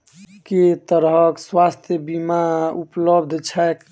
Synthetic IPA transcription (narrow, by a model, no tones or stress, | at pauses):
ket̪əɾɦəkswast̪ʰjəbimaupləbd̪ʱt͡ʃʰɛk